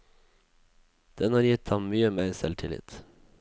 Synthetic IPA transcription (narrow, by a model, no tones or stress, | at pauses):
d̪̥ɛnhɑːɾjɪt̪ʰɑmmyːəmeːæɪsɛlt̪ʰɪlɪ̰t̪